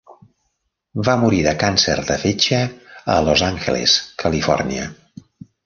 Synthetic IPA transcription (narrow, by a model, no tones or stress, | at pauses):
bamuɾiðəkansɛ̰ɾðəfet͡ʃəə̰lozaŋxḛlḛskʰəlifɔ̰rniə̰